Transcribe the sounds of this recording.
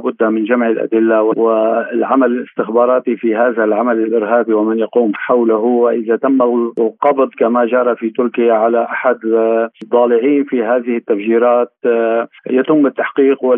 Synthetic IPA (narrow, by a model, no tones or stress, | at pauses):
bʊd̪ːamɪnʒamʕɪlʔa̰d̪ɪlːawɪwɪlʕamalɪlɪst̪ɪxbɑːɾˤɑːt̪ifiɦaːðalʕamalɪlʔɪɾɦaːbiwɪmɪnjɑquːmħawlaɦʊɪʔɪðat̪amːaqɑbd̪ˤkamaʒɑːɾˤɑfit̪ʊɾkɪjaʕalaʔaħad̪d̪ˤːɑːlɪʕiːnfiɦaːðɪhɪt̪ːafʒiːɾaːt̪ | jat̪ʊmːɪt̪ːaħqiːqwɪ